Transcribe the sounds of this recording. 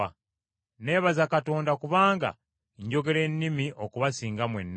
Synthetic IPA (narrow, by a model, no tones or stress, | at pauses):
a | ne̞ːβazakato̞ːndakuβaːŋɡa̰ | ɲɟo̞ɡe̞le̞nːimiʔokuβasiːŋɡamwḛnː